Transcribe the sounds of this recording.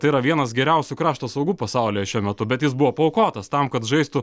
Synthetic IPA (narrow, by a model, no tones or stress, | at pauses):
t̪ɐɪiːɾɐʋʲiɛnɐsɡʲɛɾʲɛʊsʲʊkɾɑːʃt̪oːsɐʊɡuːpɐsɑʊlʲeːɛʃʲuɔmʲɛt̪ʊbʲɛt̪jɪsbʊʋoːpoʊkoːt̪ɐst̪ɐmkɐt̪ʒɐɪst̪ʊ